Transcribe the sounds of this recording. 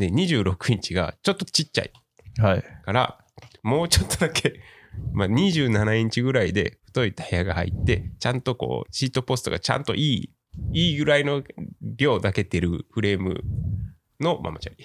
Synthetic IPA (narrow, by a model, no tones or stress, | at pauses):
d̪e̞ɲ̟iʑɨːɾo̞kɯ̟ɲ̟it͡ɕiɡa̰t͡ɕo̞t̪ːot͡ɕit͡ɕːa̰i | haikaɾa̰ | mo̞ːt͡ɕo̞t̪ːod̪akʰe̞ | maɲ̟iʑɨːnanaẽɲ̟t͡ɕiɡɯ̟ɾaid̪e̞̰ɸɯ̟̥t̪o̞it̪ḁhe̞jaɡaha̰ḭt̪ːe̞t͡ɕãnt̪o̞ko̞̰ːɕiːt̪o̞po̞sɨ̥t̪oɡa̰t͡ɕã̰nt̪o̞̰ʔiː | iːɡɯ̟ɾaino̞bʲo̞ːd̪ake̞t̪e̞ɾɯ̟ɸɯ̟ɾe̞ːmɯ̟̰ | no̞mʔa̰mat͡ɕaɾʲi